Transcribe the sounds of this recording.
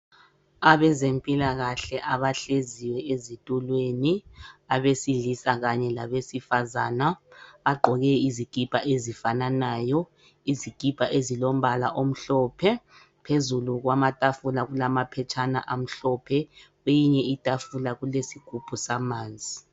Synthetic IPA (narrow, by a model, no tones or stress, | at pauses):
aβɛzempʼilaɣaɬɛʔaβaɬeziwɛezitʼulweniaβesiɮisaɣaɲɛlaβesifazaːnaːɡ͡ǃʱɔɣɛiziɡ̥ʱib̥ʱʼaʔezifananaːjɔ | iziɡ̥ʱib̥ʱʼaʔezilom̩βalaʔom̩ɬɔːpʰɛ | pʰezuluɣwamatʼafulaɣulamapʰɛt͡ʃʰana̰ʔam̩ɬɔːpʰɛ | wejiɲɛitʼafulaɣulesiɡ̥ʱupʰusamaːnd͡zʱi